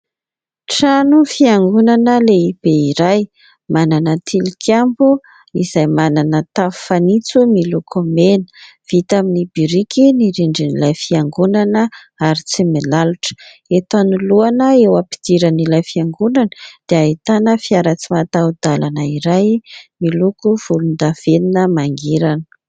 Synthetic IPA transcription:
ʈ͡ʂanufiaŋɡunanəleib̥eiɾaj | mananət̪ʰilikʰambu | iz̥ajmananət̪afu̥fanit͡sumilukʰomenə̥ | v̥it̪aminibiɾikiniɾiɳɖ͡ʐinilajfiaŋɡunanə | aɾit͡simelaluʈ͡ʂə̥ | et̪anuluanəewapi̥d̪̥iɾanilajfiaŋɡunanə̥d̪̥eait̪anəfiaɾat͡simat̪aud̪̥alanəiɾajmilukuv̥ulund̪av̥eninəmaŋɡiɾanə̥

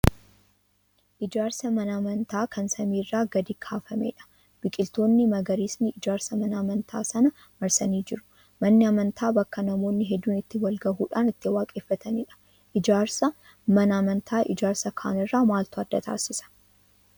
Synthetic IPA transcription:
ʔɪd͡ʒaːɾsɐmɐnɐmɐnt̪ʰaːkʰɐnsɐmiːrːaːɡɐd̪iːkʰaːfɐmḛːᶑɐ̥ | b̥ɪkʼɪlt̪o̞ːnːɪmɐɡɐɾiːsnɪɪd͡ʒaːɾsɐmɐnɐmɐnt̪ʰa̰ːsɐnɐ | mɐɾsɐniːd͡ʒɪɾʊ̥ | mɐnːɪɐmɐnt̪ʰaːbɐkːɐnɐmo̞ːnːɪɦɛd̪ːuːnɪt̪ːɪwɐlɡɐhuːᶑaːnɪt̪ːɪwaːkʼeːfːɐt̪ʰɐniːᶑɐ̥ | ʔɪd͡ʒaːɾsɐ | mɐnɐmɐnt̪ʰaːʔɪd͡ʒaːɾsɐkʰa̰ːnɪrːaːmaːlt̪ʊɐd̪ːɐt̪ʰa̰ːsɪsɐ̥

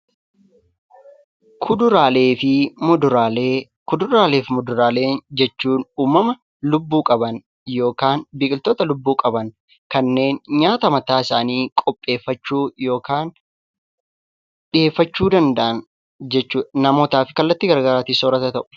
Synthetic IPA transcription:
kʰʊd̪ʊɾaːleːfɪmʊd̪ʊɾaːle | kʊd̪ʊɾaːle̞ːfmʊd̪ʊɾaːle̞ːnd͡ʒɛt͡ʃːuːnuːmːɐmɐ | lʊbːuːkʼɐbɐn | jo̞ːkaːnbɪkʼɪlt̪oːt̪ɐlʊbːuːkʼɐbɐn | kɐnːe̞ːnɲaːt̪ɐmɐt̪aːɪsaːniːkʼɔpʼːe̞ːfːɐt͡ʃːuːjo̞ːkaːn | ᶑɪe̞ːfːɐt͡ʃːuːd̪ɐnd̪ɐʔɐn | d͡ʒɛt͡ʃːuːnɐmo̞ːt̪aːfɪkɐlːɐt̪ːɪɡɐɾɡɐɾaːt̪iːsoːɾɐt̪ɐt̪ɐʔʊ̥

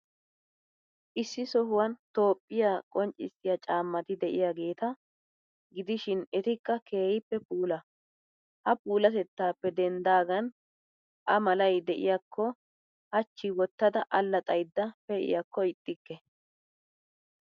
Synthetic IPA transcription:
ʔɪsːɪsɔɦʊwɐnt̪o̞ːpʼːɪjakʼɔnt͡ʃʼːɪ̰sːɪjat͡ʃʼaːmːɐt̪ɪd̪ɛʔɪ̰jaɡe̞ːt̪ɐ | ɡɪd̪ɪʃɪnɛt̪ɪkːɐkʰe̞ːjɪpːɛpuːlɐ | hɐpuːlɐt̪ɛt̪ːaːpːɛd̪ɛnd̪aːɡɐn | ʔɐmɐlɐjd̪ɛʔɪ̰jɐkʰːɔ | hɐt͡ʃːɪwɔt̪ːɐd̪ɐʔɐlːɐt̪ʼɐjd̪ːɐpɛɪ̰jɐkːɔɪt̪ʼːɪkːɛ

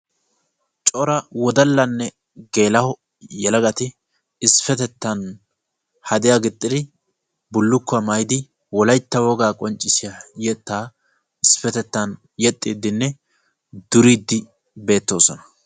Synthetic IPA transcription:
t͡ʃʼɔɾɐwɔd̪ɐlːɐnːɛ | ɡe̞ːlɐhɔ | jɛlɐɡɐt̪ɪ | ɪsfɛt̪ɛt̪ːɐn | hɐd̪ɪjaɡɪt̪ʼːɪd̪ɪ | bʊlːʊkːɐmɐjd̪ɪ | wɔlɐjt̪ːɐwɔɡaːkʼɔnt͡ʃʼːɪsɪjajɛt̪ːaː | ɪsfɛt̪ɛt̪ːɐn | jɛt̪ʼːiːd̪ːɪnːɛ | d̪ʊɾiːd̪ːɪ | be̞ːt̪ːo̞ːsɔnɐ̥

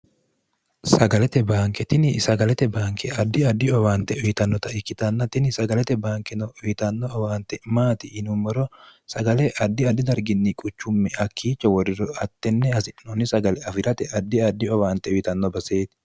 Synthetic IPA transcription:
sɐɡɐlɛt̪ɛbaːŋkɛt̪ɪnɪsɐɡɐlɛt̪ɛbaːŋkʰɛɐd̪ːɪɐd̪ːɪɔwaːnt̪ɛʊjɪt̪ɐnːɔt̪ɐɪkːɪt̪ɐnːɐt̪ɪnɪsɐɡɐlɛt̪ɛbaːŋkɛnɔʊjɪt̪ɐnːɔːwaːnt̪ɛmaːt̪ɪːnʊmːɔɾɔsɐɡɐlɛʔɐd̪ːɪɐd̪ːɪd̪ɐɾɡɪnːɪkʼʊt͡ʃːʊmːɛɐkʰːiːt͡ʃːɐwɔɾɪɾɔɐt̪ːɛnːɛɐsɪnɔnɪsɐɡɐlɛɐfɪɾɐt̪ɛɐd̪ːɪɐd̪ːɪɔwaːnt̪ɛʊjɪt̪ɐnːɔbɐse̞ːt̪ɪ̥

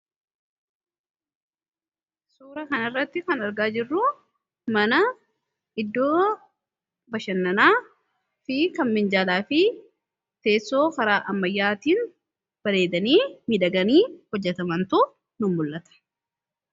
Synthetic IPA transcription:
suːɾɐkɐnɐrːɐt̪ːɪkɐnɐɾɡaːd͡ʒɪrːʊ | mɐnɐ | ɪd̪ːoː | bɐʃɐnːɐnaː | fɪkɐmmɪnd͡ʒaːlaːfɪ | t̪e̞ːsːo̞ːkɐɾaːʔɐmːɐjːaːt̪iːn | b̥ɐɾe̞ːd̪ɐniːmɪᶑɐɡɐniːhɔd͡ʒːɛt̪ɐmɐnt̪ʊ | nʊmːʊlʔɐt̪ɐ̥

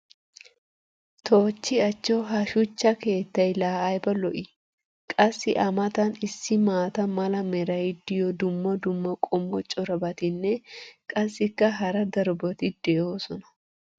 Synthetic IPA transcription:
t̪ʰoːt͡ʃːɪɐt͡ʃːɔɦɐʃʊt͡ʃːɐke̞ːt̪ːɐjlaːajbɐlɔʔɪ | kʼɐsːɪʔɐmɐt̪ɐnɪsːɪmaːt̪ɐmɐlɐmɛɾɐjɪd̪ɪjɔd̪ʊmːɔd̪ʊmːɐkʼɔmːɔt͡ʃʼɔɾɐbɐt̪ɪnːɛkʼɐsːɪkːɐɦɐɾɐd̪ɐɾbɔt̪ɪd̪̥eːoːsɔnɐ̥

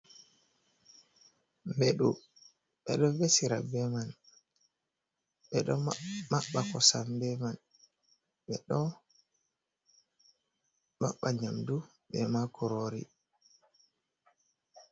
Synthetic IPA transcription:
mbeɗu | ɓɛɗɔvesiɾabɛman | ɓɛɗɔmaɓːakɔsambɛman | ɓɛɗɔ | ma̰ɓːaɲamdu | ɓɛmakʰɔɾoɾḭ

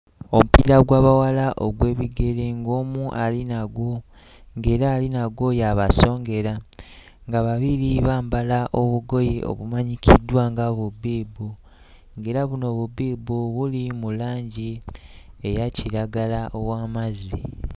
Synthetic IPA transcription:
o̞mupḭɾaɡwaːβawalaʔoɡwe̞ːβiɡe̞ɾe̞ŋɡo̞ːmuʔalinaɡwo | ŋɡe̞ːɾaːlinaɡwo̞jaβaso̞ːŋɡe̞ɾa | ŋɡaβaβiɾiβaːmbalaʔo̞βuɡo̞jeo̞̰βumaɲikʰidwaːŋɡaβubiːbu | ŋɡe̞ːɾaβuno̞βubiːbuβulimulaːɲɟi | ejaciɾaɡalaʔowaːmazi

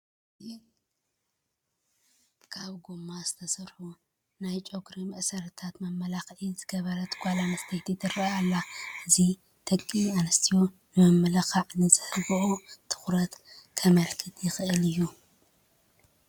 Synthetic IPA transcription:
kʰaβɡomːazɨt̪ʰɐsɐɾħu | najt͡ʃʼo̞ɡɾimɐʔsɐɾɐt̪ʰat̪mɐmːɐlaxʔizɨɡɐβɐɾɐt̪ʰɡʷalanɐst̪ʰɐjt̪ʰit̪ʰɨrɐalːaʔɨzi | t̪ʰɐkʼːianɐst̪ʰijo | nɨmɐmːɐlɐxaʕnɨzɨhɨlbɨʔot̪ʰɨ̥xɾɐt̪kʰɐmɐlkʰɨt̪ʰjɪxɨʔɨlɨjːu

